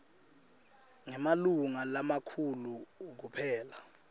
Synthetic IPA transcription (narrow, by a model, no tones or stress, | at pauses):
ŋɛmaluŋalamakʰuluk̬upʰɛːla